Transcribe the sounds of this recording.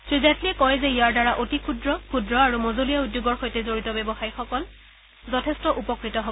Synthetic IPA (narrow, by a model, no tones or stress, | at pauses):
sɹizatliɛkɔjzɛijaɹdaɹaʔotikʰudɹɔkʰudɹɔaɹumozolijaudjoɡɔɹxojtɛzoɹitɔbɛbɔxajxɔkɔl | zɔtʰɛstɔʔupɔkɹitɔɦo